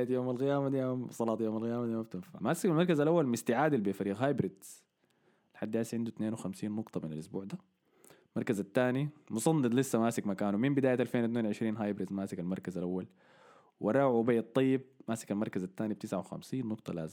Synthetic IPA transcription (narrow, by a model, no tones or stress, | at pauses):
ajat̪joːmalɣɪjaːmad̪ijamsˤɑlɑːt̪ˤjoːmalɣɪjaːmad̪jamab̚t̪ɪnfa̰maːsɪkalmɑɾkazalʔawːalmɪst̪ɪʕaːd̪albifaɾiːɣɦaːjbɾɪd̪z̥ | lħad̪ːjaːsiʕɪnd̪ut̪neːnwxamsiːnːʊɡt̪ˤɑmɪnalʔʊsbuːʕd̪aː | mɑɾˤkazat̪ːaːnimʊsˤɑnːɨt̪ˤlɪsːamaːsɪkmakaːnumimbɪd̪aːjat̪ʔalfeːnwʊt̪̬neːnwʕɪʃɾiːnɦaːjbɾɪd̪zmaːsɪkalmɑɾˤkazalʔawːal | wʔɑ̰rˤɑːbajːɑt̪ˤːɑjːɪb̚maːsɪkalmɑɾˤkazat̪ːaːnib̚t̪ɪsʕawxa̰msiːnːʊqt̪ˤɑla̰ːzɪm